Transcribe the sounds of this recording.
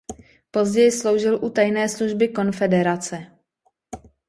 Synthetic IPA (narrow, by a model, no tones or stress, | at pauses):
po̞zɟɛjɪslo̞wʒɪlʔut̪ajnɛːsluʒbɪko̞nfɛdɛɾat͡sɛ